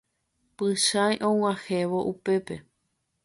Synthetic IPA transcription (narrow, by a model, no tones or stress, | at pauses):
pɨʃãjʔõw̃ãheʋo̞ʔupe̞pe̞